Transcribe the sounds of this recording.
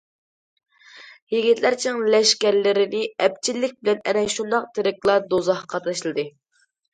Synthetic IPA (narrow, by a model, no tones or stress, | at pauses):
jeɡʲit̪læɾt͡ʃʰɪŋlɛʃkʲæɾlɪɾɪnɪɛp̚t͡ʃʰilːɪk̚ʲbɪlɛnɛ̰nɛʃund̪ɑq̚t̪ʰɪɾɪkʲlˠɑd̪ozɑhqʰɑt̪lˠɑʃlˠɨd̪ɨ